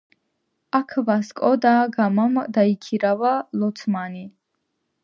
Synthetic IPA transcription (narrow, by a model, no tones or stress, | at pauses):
akʰvaskʼɔd̪aɡamamd̪aikʰiɾavalɔt̪sʰmani